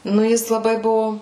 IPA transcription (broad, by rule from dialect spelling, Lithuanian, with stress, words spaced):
ˈnʊ ˈjɪs lˠɐˈbɐɪ ˈbʊʋoː